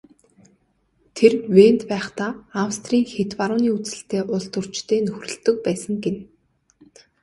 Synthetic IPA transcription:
t̪ʰerwent̪pæːχt̪aːawst̪riːŋxet̪paɾʊːniːut͡sɘ̆ɬt̪eːʔʊɮt̪ɵ̆r̥t͡ɕt̪ʰeːnɵxrɵ̆ɬt̪ɵ̆k̚pæːsə̆ŋɡen

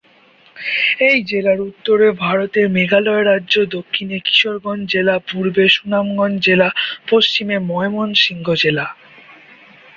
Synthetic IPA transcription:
ejd͡ʑelaɾut̪ːoɾebʱaɾot̪eɾmeɡʱalɔeɾadːʑod̪okʰːineki̥ʃoɾɡɔnd͡ʑelapuɾbeʃunamɡɔnd͡ʑelapost͡ɕimemɔemonʃiŋɡʱod͡ʑela

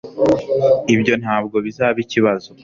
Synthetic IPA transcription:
ibɟo̞nhaːb̚ɡo̞βizaːβiciβazo

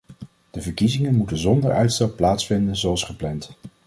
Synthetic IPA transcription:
d̥əvəɹkizɪŋənmutənzɔndəɹœɥtstɑp̚pːlaːtsfɪndənzoɑlˠsχəplɛnt

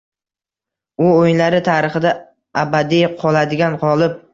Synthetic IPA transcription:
ʊojnlaɾɪt̪ʰaɾɨχɨd̪a | abad̪ijqʰɒlˠad̪ɪɡʲanqʰɒlˠɪp̚

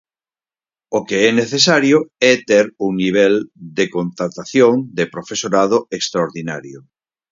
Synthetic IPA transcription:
okeɛneθes̬aɾjoɛt̪eɾuŋniβ̞ɛld̪ekont̪ɾat̪aθjoŋd̪epɾofesoɾaðoekst̪ɾaoɾðinaɾjo

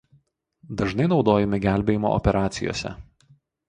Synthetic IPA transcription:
d̪ɐʒnɐɪnɒʊd̪oːjɛmʲɪɡʲæˑlʲbʲeːjɪmo̰ːʔɔ̰pʲɛɾʔɑːt̪sʲɪjo̰ːsʲɛ̰

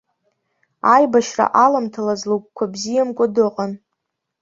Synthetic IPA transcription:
ajbaʃra̰ʔalamtʰalazluk̚ʷʰʼkʷʰabzijamkʷʼʊdɨqʼan

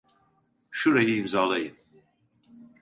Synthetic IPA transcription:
ʃuɾajɯimzaːlˠajɯm

